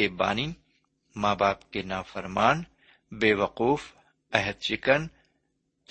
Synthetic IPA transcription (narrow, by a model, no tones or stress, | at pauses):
eba̰ːni | maːbaːpkenaːfɐɾmaːn | beːʋɐquːf | ɛɦəd̪̚t͡ʃɪkən